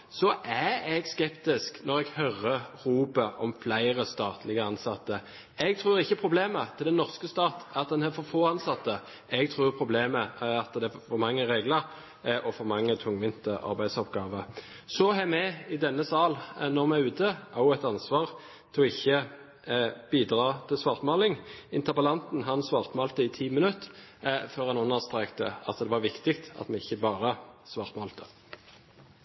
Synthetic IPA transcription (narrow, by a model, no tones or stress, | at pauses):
sɔʔæɛɡskɛpt̪ɪsknɔʁɛɡhœɾəʁuːbəʔɔmflæɪʁəst̪ɑːt̪ʰlɪɡəɑnsɑt̪ːə | ɛɡ̚t̪ʰʁʉːʁɪçːəpʰʁʊbleːmət̪ʰɪld̪ɛnːɔʁskəst̪ɑːt̪ɑt̪̚d̪ɛnhæfɔfoːɑnsɑt̪ːə | ɛɡ̚t̪ʰʁuːʁpʰʁʊbleːməɑt̪d̪ɛfɔʁmɑŋːəʁeːɡləɾ | ʔɔfɔʁmɑŋːət̪ʰʊŋʋɪnt̪əɑ̰ɾbæɪd̪sɔpɡɑːʋə | sɔɦɛmɛɪd̪ɛnːəsɑːlnɔʁmæʉːt̪ʰəʔɑʊɛt̪ɑnsʋɑːʁ | t̪ʰɪɔɪçːə | b̥iːd̪ʁɑːt̪ʰɪlsʋɑːʁt̪mɑːlɪŋɪnt̪əbɑlɑnt̪n̩ɦɑnsʋɑːʁt̪mɑlt̪əɪt̪ʰiːmɪnʉt̪ | føːʁɛnʊnːəʁst̪ɾɛkt̪ə̰ɑ̰t̪d̪ɛʋɑʁʋɪkt̪ɪkt̪ɑ̰t̪mɛɪçːəbɑːʁəsʋɑːʁt̪mɑːlt̪ʰə̥